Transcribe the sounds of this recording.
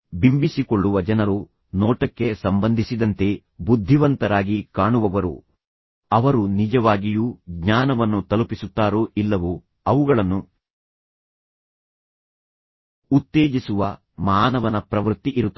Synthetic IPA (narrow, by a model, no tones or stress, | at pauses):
bimbisikoɭːuʋɐd͡ʒɐnɐɾu | nɔːʈɐkːe̞sɐmbɐnd̪ʱisid̪ɐnt̪e̞ | bud̪ʱːiʋɐnt̪ɐɾaːɡikaːɳuʋɐʋɐɾṵ | ɐʋɐɾunid͡ʒɐʋaːɡijuːɡɲaːnɐʋɐnːut̪ɐlupisut̪ːaːɾuʔilːɐʋu | ɐʋuɡɐɭɐnːu | ut̪ːe̞ːd͡ʒisuʋɐ | mɐaːnɐʋɐnɐpɾɐʋɾt̪ːiʔiɾut̪ː